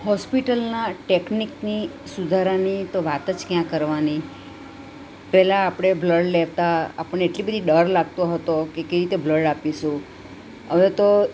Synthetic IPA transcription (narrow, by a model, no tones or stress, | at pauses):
hɔspiʈəlnaʈekniknisud̪ʱaɾanit̪oʋat̪əd͡ʒkjãkəɾʋani | pɛlaːpɽ̃ebləɖleʋt̪aa̰pəɳːeːʈlibəd̪ʱiɖəɾlaɡ̚t̪oɦət̪okekəjɾit̪ebləɖapiʃũ | əʋet̪o